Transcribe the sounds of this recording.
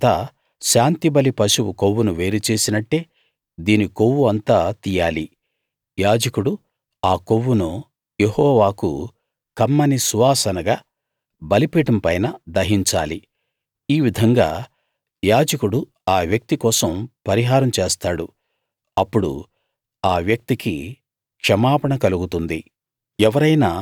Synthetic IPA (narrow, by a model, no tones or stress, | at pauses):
t̪aː | ʃaːnt̪ibɐlipɐʃuwukowːunuʋe̞ːɾit͡ʃe̞ːsinɐʈːe̞ː | d̪iːnikowːuɐnt̪aːt̪ijaːli | jaːd͡ʒɐkuɽu | aːkowːuno | jehɔːʋaːkṵ | kɐmːɐnisuʋaːsɐnɐɡaː | bɐlipiːʈɐmpɐjnɐd̪ɐɦiɲt͡ʃaːli | iːʋid̪ʱɐŋɡa̰ː | jaːd͡ʒɐkuɽu | aːʋjɐk̚t̪ikɔːsɐmpɐɾiɦaːɾɐmt͡ʃeːst̪aːɽu | ɐpːuɽṵ | aːʋjɐk̚t̪ikḭ | kʂɐmaːpɐɳɐkɐluɡut̪und̪i | ɛʋɐɾɐjnaː